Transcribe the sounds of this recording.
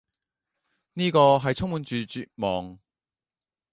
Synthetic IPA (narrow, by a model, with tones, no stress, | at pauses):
niː˥kɔː˧ɦɐ˨jt͡sʰʊ˥ŋmuː˨˧nt͡ʃyː˨t͡ʃyː˨t̚mɔː˨ŋ